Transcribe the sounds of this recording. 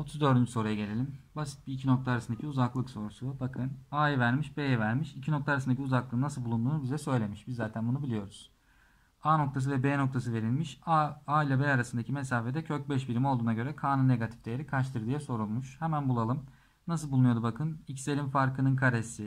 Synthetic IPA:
o̞t̪ʰuzd̪ø̞ɾd̪ynd͡ʒyso̞ɾujaɟe̞e̞lʲimbasi̥t̪̚biːcʰino̞k̚t̪ʰaːɾasɯnd̪acʰiuzaklˠɯkso̞ɾusubakʰɯnaːjivæɾmiʃbejɛvæɾmiʃicʰino̞k̚t̪ʰaːɾas̬nd̪aciuzaklˠɯːnasɯlˠbulˠund̪uːnubizɛsø̞jlʲe̞miʃbizːaːt̪ʰænbunubilʲijo̞ɾuz̥ | aːno̞k̚t̪ʰas̬ɯvɛbeːno̞k̚t̪ʰas̬ɯve̞ɾilʲmiʃaailʲabɛaɾasɯnd̪acʰimesaːfe̞d̪ɛcʰøc̚bɛʃbiɾimiolˠd̪uːnaɟø̞ɾɛkʰaːnɯnːe̞ɡat̪ʰi̥fd̪ejeɾikʰaʃt̪ʰɯɾd̪ɯjaso̞ɾulˠmuʃhemænbulˠalˠɯm | nasɯlˠbulˠnujo̞d̪ubakʰɯnicse̞lʲimfaɾkʰɯnɯnkʰaɾesi

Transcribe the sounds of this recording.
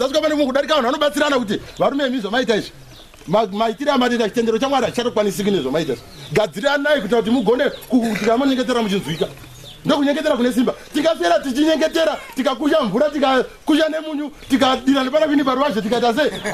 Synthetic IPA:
zasikapanekuokuɗaɾikaʋanuʋanoɓat͡siɾanakut̬iʋaɾumeemiʐamaitaiʐi | mamaitiɾamatetat͡ʃi̥te̞ndeɾot͡ʃamwaɾait͡ʃato̞kwanisikuneʐamaitaḭʐiɡʱad͡ziɾanaikutinakut̬imuɡʱo̞ne̞kut̬ikamoɲe̞ŋɡe̞t̬eɾamut͡ʃinzwiːka | ndo̞k̬uɲe̞ŋɡet̬eɾakune̞s̬imbatiŋɡafeɾatit͡ʃiɲe̞ŋɡe̞te̞ɾatikak̬uʃaɱvuɾatikakuʃane̞muɲutikaɗiɾanepanakwinipaɾuʋaʒot̬ikaitas̬ei

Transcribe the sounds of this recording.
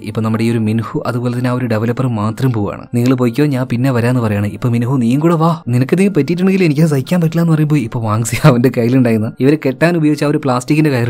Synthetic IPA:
ipːoɭnɐmːuɽeio̞ɾuminhuʔɐðubo̞ːlɐðinaːoɾuɖeʋɐlɐpːɐrɨmaːt̪rɐmpoːʋa̰ːɳɨ̰niŋːɐɭp̬oːjikʲːoːɲaːnpinːeʋɐɾaːenːɨpɐrɐjaːɳɨipːoːminuɦuniːjuŋkuːɽeʋaːninɐkːɨniŋːɐɭpɐtːijiʈ̬ːuɳeŋɡilenikʲːɐs̬ɐjikʲːaːmpɐtːilaːenɨpɐrɐjumbo̞ːiipːo̞ːʋaːŋɡsijaːʋundekɐjiluɳɖaːjɾunːɐiʋɐɾeke̞ʈːaːnubɐjoːɡit͡ɕːaːoɾupɭaːstikːinde̞kɐjɐr

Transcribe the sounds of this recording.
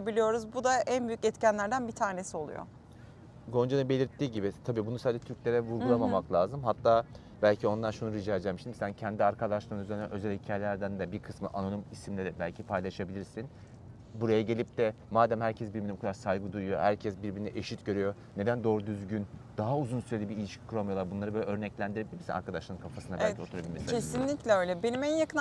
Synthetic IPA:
ebilʲijo̞ɾuzbud̪aʔænbyjycɛt̪cænlʲæɾd̪ænbit̪ʰaːnesio̞lˠṵjo̰ | ɡo̞nd͡ʒanɯbe̞lʲiɾt̪ʰːiːɟibit̪ʰabiːbunusaːd͡ʒɛt̪ʰyɾclʲe̞ɾɛvuɾɡulˠamamaklˠaːzɯmɦat̪ʰːaː | bælʲcʰio̞nd̪aɾʃunuɾid͡ʒaːd͡ʒʲɛmiʃt̪imisæncʰɛnd̪iaɾkʰad̪aʃlˠaɾnyzenɛnø̞zɛlʲhicʰaːjelʲæɾd̪ænd̪ɛbiɾkʰɯsmɯ̰ʔano̞nimisimlʲeɾɛbælʲcʰipʰajlˠaʃabilʲiɾsin | buɾajaɟe̞lʲip̚t̪ɛ | maːd̪æmhæɾcʰɛsbiɾbinibukʰad̪aɾsajɡɯd̪ujujo̞̰hæ̰ɾcʰɛsbiɾbiɾnɛʔeʃit̪ɟø̞ɾyjo̞ | ne̞d̪ænd̪o̞ɾd̪yzɟynd̪̥aɦauzunsyɾe̞d̪ʲibiilʲiʃcʰi̥kʰuɾamijo̞lˠaɾbunlˠaɾɯbølʲɛø̞ɾnɛclʲænd̪iɾeɛbilʲɾiɾsinaɾkʰad̪aʃlˠaɾɯnkʰafasɯnaælʲcʰiot̪uɾabilʲimisʰesinlʲiclʲɛøːjlʲɛbe̞nimɛjakɯn

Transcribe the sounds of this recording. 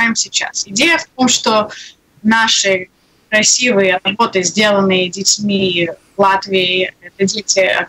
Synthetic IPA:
jɪmsʲɪt͡ɕːa̰sɪdʲejəft̪̚o̞mʂt̪o | naʂɨ | kɾɐsʲivɨjəɐbo̞t̪ɨzʲdʲe̞lˠənɨjədʲɪtʲmʲivlˠat̪vʲɪɪɛt̪ədʲetʲɪɐ̰

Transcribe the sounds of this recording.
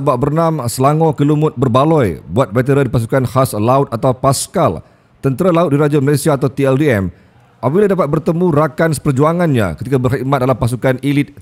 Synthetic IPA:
babərnamsəlaŋɔkəlumʊt̪̚bərbalɔjbuat̪̚bɛt̪̬əɾadipas̬ukanhaslaʊt̪̚at̪awpaskal | t̪ənt̪əɾalaʊt̪̚diɾad͡ʒaməlasiaːt̪awt̪iɛldiɛm | ʔapbiladapat̪̚bərt̪əmũɾakansə̥pərd͡ʒuaŋanɲa̰kət̪ikabərhimat̪̚dalampas̬ukanilɪt̪̚

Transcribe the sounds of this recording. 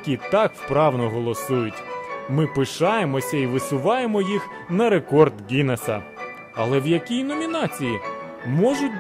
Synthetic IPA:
kʲit̪ɑkwpɾɑwnɔɦɔlˠɔsujʊtʲmɪpɪʃɑjemɔsʲɐiʋɪsʊʋɑjemɔjix | nɐɾe̞kɔrd̪ɡʲinesɐ | ɐlˠɛwjɐkʲijnɔmʲinɑt͡sʲiji | mɔʒʊt̚ʲ

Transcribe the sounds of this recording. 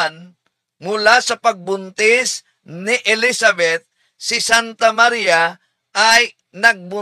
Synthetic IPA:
n | mʊlasɐpɐɡ̚bʊnt̪ɪs | nɪʔɛlisabɛt̪̚ | sɪsant̪ɐmaɾija | ʔaj | nɐɡ̚bʊ

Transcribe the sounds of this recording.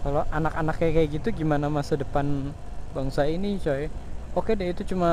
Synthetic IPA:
kaloʔanakanakakajaɡit̪uɡimanamasadəpan | baŋsainit͡ʃoɛokedait̪ut͡ʃuma

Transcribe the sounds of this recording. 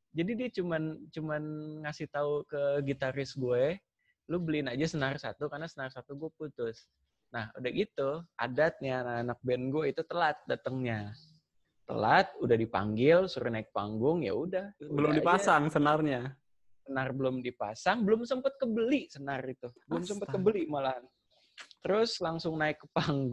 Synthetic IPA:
d͡ʒadidiat͡ʃumant͡ʃumanŋasɪht̪aukəɡit̪aɾɪsɡuɛ | lʊhbəlinad͡ʒasənarsat̪ukarnasənarsat̪uɡuaput̪ʊs | nahudahɡit̪uʔa̰dat̪̚ɲanaːnak̚bɛnɡuɛit̪ut̪əlat̪̚dat̪əŋɲa | t̪ːə̰lat̪̚udahdipa̰ŋɡɪlsuɾʊnaɪk̚pa̰ŋɡʊŋja̰udahbəlʊmdipasaŋsənarɲa | sənarbəlʊmdipasaŋbəlʊmsəmpət̪̚kəbəliʔsənarit̪ubəlʊmsəmpətkəbəlimalaɦan | t̪əɾʊslaŋsʊŋnaɪkːəpaŋɡ

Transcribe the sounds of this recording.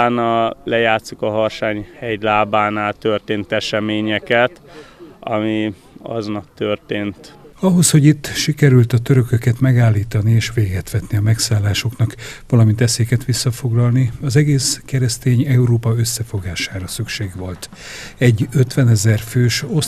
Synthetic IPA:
nɒlɛjaːt̪sikɒɦɒrʃaːɲhɛjlaːbaːnaːlt̪ørt̪eːnt̪ɛʃɛmeːɲɛkɛt̪ | ɒ̰mi | ɒ̰znɒkt̪ørt̪eːnt̪ɒɦo̞sho̞ɟit̪ːʃikɛɾylt̪ɒt̪øɾø̞køkɛt̪mɛɡaːlːiːt̪ɒnieːʃʋeːɡɛt̪ʋɛt̪niɒmɛksaːlːaːʃo̞knɒkʋɒlɒmint̪ɛseːkɛt̪ʋisːɒfo̞ɡlɒlniɒzɛɡeːskɛɾɛst̪eːɲɛuɾoːpɒø̞sːɛfo̞ɡaːʃaːɾɒsykʃeːɡʋo̞lt̪ | ɛɟːøt̪ʋɛnɛzɛrføːʃo̞

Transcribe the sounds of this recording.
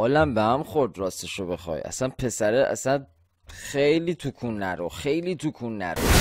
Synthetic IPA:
ɒːlæmbehæmχoɾd̪ɾɒːst̪eʃobe̞xɒ̰ːjʔæ̰sænpʰe̞sæɾeʔæ̰sæn | xejliːt̪ʰukʰunːæɾoxe̞jliːt̪ʰukʰunːæ̰ɾo̰

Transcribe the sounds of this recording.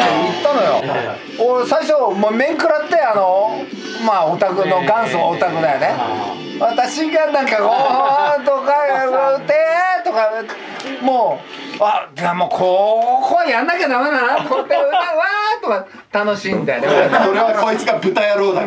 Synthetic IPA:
eit̪ːano̞jo̰ | osaiɕomomẽ̞ŋkɯ̟ɾat̪ːe̞ano̞ | maot̪akɯ̟noɡãɰ̃sɨβaot̪akɯ̟d̪ajone | βat̪aɕiɡanãŋkaɡot̪okat̪et̪oka | moː | ad͡ʑamoːkʰokoajãnːakanamanakot̪ːeɯt̪eβat̪oka | t̪ano̞ɕĩnd̪ajd̪esoɾeβakoit͡sɨɡabɯ̟t̪ajaɾoːd̪a

